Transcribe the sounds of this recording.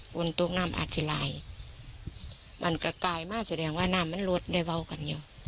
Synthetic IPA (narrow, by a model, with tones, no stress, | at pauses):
ko˧˩˨nt̪o˧k̚naː˧˥˨mʔa̰ː˨˩t̪̚si˧˨la̰ː˨˦j | mʔa̰˧˨nka˧˩kaː˨˩jmaː˧˥˨sa˧dɛː˨˩˦ŋwaː˧˨naː˧˩˨mːa˧˥˨nlo˧t̪̚da˧˩jwa˧˨wka˨nja˧˩˨